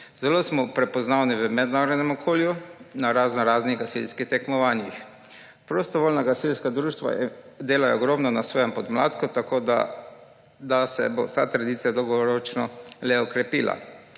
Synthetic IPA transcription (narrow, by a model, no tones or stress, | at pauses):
z̥ɛlosmɔpɾɛpɔznaːwniʋəmɛd̪naːɾɔd̪nɛmɔkʰoːljunaɾaːznɔɾaːzniɣɡasilskixt̪ɛkmɔʋaːnjix | pɾost̪ɔʋoːlnaɡasilskad̪ɾuːʃt̪ʋa̰d̪eːlajɛɔɡɾɔːmnɔnasʋɔːjɛmpɔd̪mla̰ːt̪kɔt̪akʰoːd̪a̰ | d̪asɛ̰bo̰t̪at̪ɾad̪it̪sijad̪ɔwɡɔɾɔt͡ʃnɔlɛɔkɾɛpiːla̰